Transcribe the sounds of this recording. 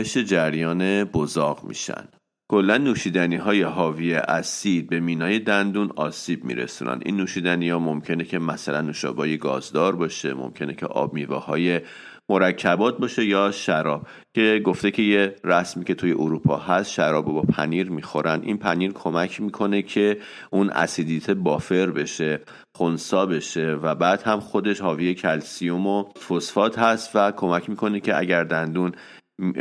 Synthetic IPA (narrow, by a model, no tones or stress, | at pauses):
eʃed͡ʒæɾjɒːne̞bozɒːɣmḭːʃæ̰nd̪̥ | kʰo̞lːænːuːʃiːd̪æniɦɒːje̞ɦɒːvijeʔæsid̪̚be̞miːnɒːje̞d̪ænd̪unɒːsiːb̚mḭɾḛsṵːnæ̰nd̪ḭnːuːʃiːd̪æniɒːmo̞mcʰe̞necʰe̞mæsælænːuʃɒ̰bɒːjeɡɒ̰ːzd̪ɒːɾbɒːʃḛmo̰mcʰe̞necʰḛʔɒ̰ːb̚miːvɒ̰ːhɒːje̞ | mo̞ɾæcʰːæbɒːt̪̚bɒːʃe̞jɒːʃæɾɒːb̥̚ | cʰe̞ɡo̞ft̪e̞cʰe̞jeɾæsmiːce̞t̪ʰujeʔoɾuːpʰɒːɦæst̪ʃæɾɒːbobɒːpʰæ̰niːɾmixo̞ɾʔænd̪ʔḭnpʰæniːɾkʰo̞mæcʰmiːkʰo̞ne̞cʰe̞ | unʔæ̰sid̪iːt̪ʰebɒːfe̞ɾbe̞ʃe̞ | xonsɒːbe̞ʃe̞væbæːd̪̥hæmxo̞d̪e̞ʃhɒːvijecʰælsiomofosfɒːt̪hæst̪vækʰo̞mæcʰmiːkʰo̞necʰe̞ʔæ̰ɟæɾd̪ænd̪un